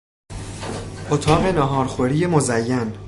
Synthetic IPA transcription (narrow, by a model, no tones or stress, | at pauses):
ʔot̪ʰɒːɢenɒɦɒːɾχoɾiːjemozæjːæn